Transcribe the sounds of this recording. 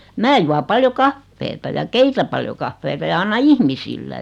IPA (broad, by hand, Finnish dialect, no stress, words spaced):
mæː juɑ pɑljo kɑfːeːtɑ jɑ keitæ pɑljo kɑfːeːtɑ jɑ ɑnːɑ ihmisilːæ